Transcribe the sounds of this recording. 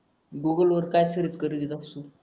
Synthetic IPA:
ɡuɡəlʋəɾkajsəɾət͡skəɾəd͡zit̪asu

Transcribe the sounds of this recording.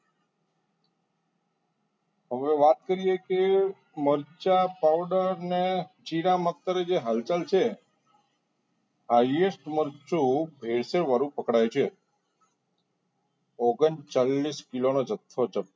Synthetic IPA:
ɦəʋeʋat̪̚kəɾijeke | məɾt͡ʃapaʋɖəɾnet͡ʃiɾamət̪ːəɾed͡ʒeɦalt͡ʃalt͡ʃʰe | ɦaiesʈməɾt͡ʃũbʱeɭseɾʋaɾũpəkɽajt͡ʃʰe | oɡənt͡ʃalːiskilonod͡ʒət̪ʰːod͡ʒəp̚

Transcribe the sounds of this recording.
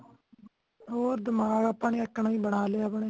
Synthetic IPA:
ɦoːɾd̪ɪmaːɡapːaːɳeːəkːɳaːĩːbəɽaːleːaːbəɳeː

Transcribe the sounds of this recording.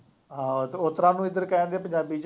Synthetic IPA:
ɦãːʊt̪ɾãːnũːɪd̪əɾkɛːnd̪eːpəɲd͡ʒaːbiːt͡ʃ

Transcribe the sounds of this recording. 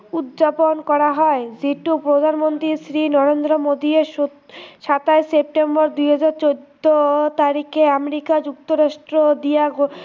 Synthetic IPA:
ud̪d͡ʑaponkɔɾaɦɔeziʈupɾod̪ʱanmont̪ɾisɾinɔɾend̪ɾomod̪ieʃo | ʃat̪aesep̚ʈembɔɾd̪ujɦad͡ʑaɾt͡ɕod̪ot̪aɾikʰeameɾikad͡ʑukt̪oɾaʃʈɾod̪ija

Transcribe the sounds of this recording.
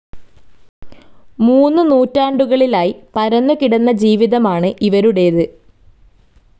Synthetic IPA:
muːnːɨnuːtːaːɳɖuɣɐɭilaːjipɐɾɐnːukiɽɐnːɐd͡ʑiːʋiðɐmaːɳɨʔiʋɐɾuɽe̞jɐðɨ

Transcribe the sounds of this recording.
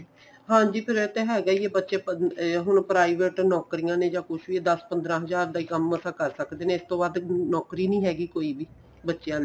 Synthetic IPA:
ɦãːd͡ʒiːpʰɪɾɪt̪eːɦɛːɡaːiːeːbətːʃeːɦʊɳpɾaːiʋeːʈnɔːkɾijãːnẽːd͡ʒãːkʊt͡ʃʰʋiːd̪əspənd̪ɾãːɦəzaːɾd̪aːikəməsãːkəɾsəkd̪eːnẽːɪst̪õːbaːd̪nɔːkɾiːnĩːɦɛːɡiːkoːiːbiː | bətːʃejãːl

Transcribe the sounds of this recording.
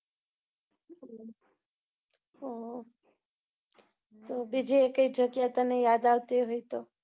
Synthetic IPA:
o | t̪obid͡ʒiekəjd͡ʒəɡjat̪anejad̪aʋt̪iɦojt̪o

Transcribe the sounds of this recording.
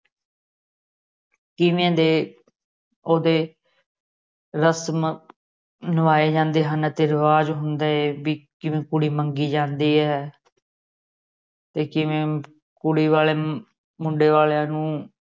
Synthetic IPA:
kɪʋẽẽːd̪eː | oːd̪eː | ɾəsm | nəʋaːeːd͡ʒãːnd̪eːɦənt̪eːɾəʋaːd͡ʒɦʊnd̪aːeːbiːkɪʋẽːkʊɽiːməŋɡiːd͡ʒãːnd̪iːɦɛː | t̪eːkɪʋẽː | kʊɽiːʋaːleː | mʊɳɖeːʋaːleãːnũː

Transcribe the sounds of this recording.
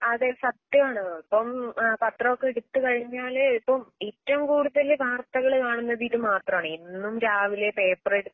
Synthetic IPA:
ɐðesɐt̪jɐmaːɳɨɐpːɐmpɐt̪rɐokːeɽut̪ːɨkɐɻiɲːaːlipːɐmitːɐmkuːɽuðɐlʋaːrt̪ɐɣɐɭkaːɳunːɐʋiːʈːɨmaːt̪rɐmaːɳinːumɾaːʋile̞pe̞ːpːɐreɽ

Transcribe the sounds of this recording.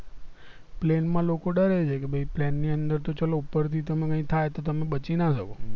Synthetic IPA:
plenmãlokoɖəɾet͡ʃʰekebʱəiplɛnːiənd̪əɾt̪ot͡ʃəloupəɾt̪ʰit̪əmẽkə̃ĩt̪ʰajt̪ot̪əmẽbət͡ʃinaʃəko

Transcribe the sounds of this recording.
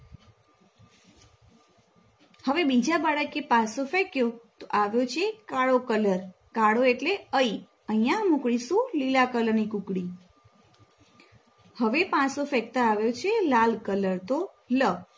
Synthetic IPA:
həʋebid͡ʒabaɭəkepãsofɛkjot̪oʔaʋjot͡ʃʰekaɭokələɾ | kaɽoeʈleəi | əɦĩjãmũkɽisũlilakələɾnikũkɽi | həʋepãsofɛkt̪aaʋjot͡ʃʰelalkələɾt̪o | lə

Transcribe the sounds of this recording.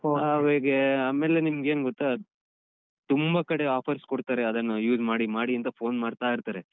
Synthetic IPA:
oʋeɡeaːmeːlːe̞nimɡeːnɡɔt̪ːa | t̪umbɐkɐɽeaːpʰɐɾskoɽt̪aːɾeɐd̪ɐnːɐjuːd͡ʒmaːɽimaːɽiɐnt̪ɐpʰo̞ːnmaːɽt̪aːiɾt̪aːɾe

